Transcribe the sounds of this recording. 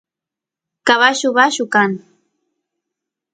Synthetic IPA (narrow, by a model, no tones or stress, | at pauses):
kaβaʃʊβaʃʊkaŋ